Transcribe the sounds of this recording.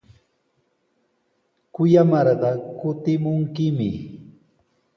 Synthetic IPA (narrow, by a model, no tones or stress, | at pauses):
kʊjamɑɾɢɑkʊt̪ɪmʊŋkɪmɪ̰